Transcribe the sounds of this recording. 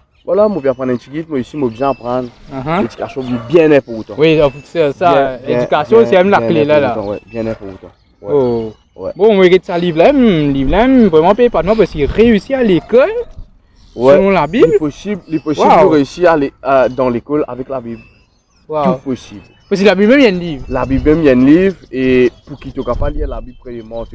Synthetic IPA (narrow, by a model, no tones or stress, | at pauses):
valamõpiapʁɑ̃d̪ɛ̃t̪iɡit̪̚moeisimobjɛ̃apχɑ̃d̪ʁãɦed̪y̥kasjɔ̃bibjɛ̃nɛpuʁot̪ɑ̃wiɔpusɛsaɛẽkasjɔ̃sɛmɛmlaklelalãwɛ̰bjɛ̃nɛpuʁot̪ɑ̰̃ | wɛo | wɛ̰bɔ̃mɔeʁet̪alivlaɛmlivlamvʁɛmɑ̃pepat̪mɔ̃p̬ɛskiʁeysialekɔl | wɛlɔ̃labiblpɔsiblːepɔswaidøʁeysiʁaled̪ɑ̃lekɔla̰vɛklabib | wat̪upɔsibl | pɔs̬ilabibmɛmjɛ̃livʁlabibmɛmjɛ̃nlivʁepuʁkit̪okapaliʁlabibpχɛd̪emɑ̃t̪u